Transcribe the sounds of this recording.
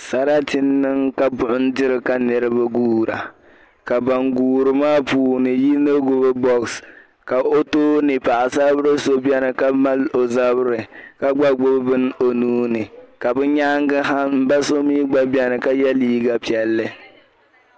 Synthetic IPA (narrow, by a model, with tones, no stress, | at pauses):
sa˦ɾa˦tɪ˦nːɨ˦ŋka˦bʊ˨ʔʊ˦n˦dɪ˦ɾɨ˦ka˦nɨ˨ɾɨ˦ba˦ɡuː˦ɾa̰˨ | ka˨ba˨ŋɡuː˨ɾɨ˨maː˦puː˨nɨ˨ji˦no˦ɡʊ˦bɨ˦bɔ˦ks | ka˨ʔo˦toː˦nɨ˨pa˨ʔa˨sa˦bɨ˦ɾɨ˦so˦bɛ˦nɨ˨ka˦ma˦lo˨za˦bɾɨ˨ka˦ɡ͡ba˦ɡ͡bo˦bbɨ˦n˦o˨nuː˦nɨ˨ka˨bɨ˦ɲaː˦ŋɡɨ˦ɦa˦m̩˦ba˦so˦miː˦ɡ͡ba˦bi˦ɛ˦nɨ˨ka˦jɛ˦liː˦ɡa˨pi˨ɛ˨lːɨ˦